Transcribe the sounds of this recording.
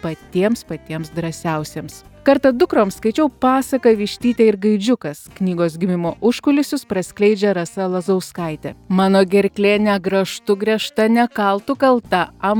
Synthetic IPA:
pɐt̪ʲiɛmspɐt̪ʲiɛmsd̪ɾɐsʲɛʊsʲeːmskɐɾt̪ɐd̪ʊkɾoːmskɐɪt͡ʃʲɛʊpɑːsɐkɐʋʲiʃʲt̪ʲiːt̪ʲeɪɾɡɐɪd͡ʒʲʊkɐsknʲiːɡoːsɡʲɪmʲɪmoːʔʊʃkʊlʲɪsʲʊspɾɐsʲkʲlʲɛɪd͡ʒʲɛɾɐsɐlˠɐzɐʊskɐɪt̪ʲɛ̰mɑːnoːɡʲɛɾʲklʲeːnʲɛɡɾɐʃt̪ʊɡɾʲɛʃt̪ɐnʲɛkɐlˠt̪ʊkɐlˠt̪ɐɐ

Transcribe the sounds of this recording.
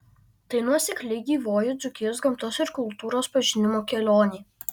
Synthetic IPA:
t̪ɐɪnuɔsʲɛkʲlʲɛɪɡʲiːʋoːjʊd̪zʊkʲɪjoːs̬ɡɐmt̪ɔsɪɾkʊlˠt̪uːɾoːspɐʒʲɪnʲɪmoːkʲɛlʲoːnʲiː

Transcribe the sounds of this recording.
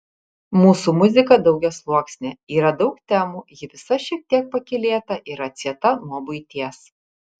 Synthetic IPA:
muːsumʊzʲɪkɐd̪ɒʊɡʲɛslˠuɔksʲnʲeiːɾɐd̪ɒʊkt̪ʲæːmuːjɪʋʲɪsɐʃʲiɛk̚t̪ʲiɛk̚pɐkʲɪlʲeːt̪ɐʔiɾɐt̪sʲiɛt̪ɐnuɔbʊɪt̪ʲiɛs

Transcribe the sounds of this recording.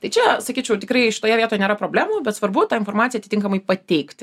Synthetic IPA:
t̪ɐɪt͡ʃʲɛsɐkʲiːt͡ʃʲɛʊt̪ʲɪkɾɐɪʃʲɪ̥t̪oːjɛʋʲiɛt̪oːjɛnʲeːɾɐpɾoːbʲlʲæːmuːbʲɛt̪sʋɐrbʊt̪ɑːɪnfoːrmɑːt͡sʲsʲɪjɛɐt̪ʲɪt̪ʲɪŋkɐmɐɪpɐt̪ʲɛɪkt̪ʲ

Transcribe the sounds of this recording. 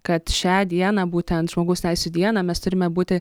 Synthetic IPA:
kɐt̪ʃʲæːd̪ʲiɛnɑːbuːt̪ʲɛnt̪ʒ̥moːɡɐʊst̪ʲɛɪsʲuːd̪ʲiɛnɑːmʲɛst̪ʊɾʲɪmʲɛbuːt̪ʲɪ

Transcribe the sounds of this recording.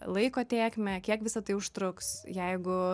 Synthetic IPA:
lˠɐɪkoːt̪ʲeːkmʲɛkʲiɛkʋʲɪsɐt̪ɐɪʊʃt̪ɾʊksjɛɪɡʊ

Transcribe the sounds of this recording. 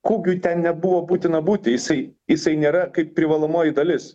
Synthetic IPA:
koːkʲuːt̪ʲɛnnʲɛbʊʋoːbuːt̪ʲɪnɐbuːt̪ʲɪjɪsɐɪjɪsɐɪnʲeːɾɐkɐɪppʲɾʲɪʋɐlˠoːmoːjɪd̪ɐlʲɪs

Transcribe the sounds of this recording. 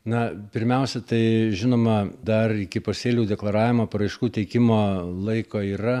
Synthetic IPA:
nɐpʲɪɾʲmʲɛʊsʲɛt̪ɐɪʒʲɪnoːmɐd̪ɐrɪkʲɪpoːsʲeːlʲuːd̪ʲɛklˠɐɾɑːʋʲɪmoːpɐɾɐɪʃkuːt̪ʲɛɪkʲɪmoːlˠɐɪkoːiːrɐ

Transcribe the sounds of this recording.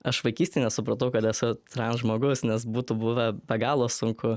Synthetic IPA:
ɐʃʋɐɪkʲiːsʲt̪ʲɛːnʲɛsʊpɾɐt̪ɐʊkɐt̪ɛsʊt̪rɑnʒmoːɡʊsnʲɛs̬buːt̪ʊbʊʋɐbʲɛɡɑːlˠoːsʊŋkʰʊ

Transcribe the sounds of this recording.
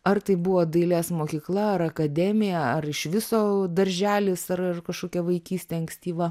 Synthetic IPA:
ɐrt̪ɐɪbʊʋoːd̪ɐɪlʲeːsmoːkʲiːklˠɐɐɾɐkɐd̪ʲɛmʲɪjɛɐrɪʃʋʲɪsoːd̪ɐɾʲʒʲæːlʲɪsɐrɐrkɐʃkoːkʲɛʋɐɪkʲiːsʲt̪ʲɛɐŋksʲt̪ʲiːʋɐ

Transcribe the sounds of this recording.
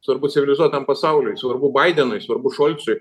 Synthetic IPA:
sʋɐɾbʊt̪t͡s̪ʲɪʋʲɪlʲɪzuɔt̪t̪ːɐmpɐsɑʊlʲʊjsʋɐɾbʊbɐɪd̪ʲɛnʊɪsʋɐɾbʊʃoːlʲtsʊj

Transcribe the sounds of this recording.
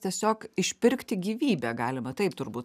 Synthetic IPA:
t̪ʲiɛsʲoːkɪʃʲpʲɪɾʲkt̪ʲɪɡʲiːʋʲiːbʲæːɡɑːlʲɪmɐt̪ɐɪpt̪ʊɾbuːt̪

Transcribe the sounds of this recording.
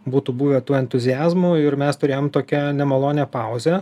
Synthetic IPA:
buːt̪uːbuːʋʲet̪uːɛnʲt̪ʊzʲɪjæːzmuːɪɾmʲɛst̪ʊɾʲeːjoːmt̪oːkʲɛnʲɛmɐlˠoːnʲɛpɑˑʊzʲɛ

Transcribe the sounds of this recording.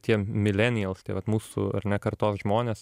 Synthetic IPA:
t̪ʲiɛmʲɪlʲɛnʲɪjɛlˠst̪ʲiɛʋɐt̪muːsʊ̰ɐ̰ɾnʲɛkɐɾt̪oːsʒmoːnʲeːs

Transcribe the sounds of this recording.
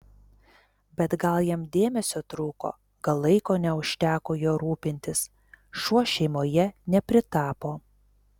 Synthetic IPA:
bʲɛt̪ɡɐlˠjimd̪ʲeːmʲɛsʲoːt̪ɾuːko̰ː | ɡɐlˠːɐɪkoːnʲɛʊʃʲt̪ʲæːkoːjoːɾuːpʲɪnʲt̪ʲɪs | ʃuɔʃʲɛɪmoːjɛnʲɛpʲɾʲɪt̪ɑːpoː

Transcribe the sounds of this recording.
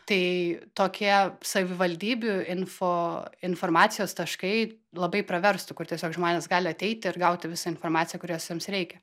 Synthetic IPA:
t̪ɐɪt̪oːkʲiɛsɐʋʲɪʋɐlʲd̪ʲiːbʲʊɪnfoːɪnfoːɾmɑːt̪sʲɪjoːst̪ɐʃkɐɪ | lˠɐbɐɪpɾɐʋʲɛɾst̪ʊkʊrt̪ʲiɛsʲoːkʒmoːnʲeːsɡɑːlʲɪɐt̪ʲɛɪt̪ʲɪɪɾɡɐʊt̪ʲɪʋʲɪsɐɪnfoːɾmɑːtt͡s̪ʲsʲɪjɛkʊɾʲiːsʊjɛmsɾʲɛɪkʲɛ

